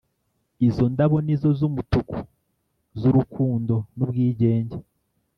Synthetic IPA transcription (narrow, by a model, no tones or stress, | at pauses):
izo̞ndaβo̞nizo̞zumutuku | zuɾukʰuːndo̞nubɡiːɟe̞ːɲɟe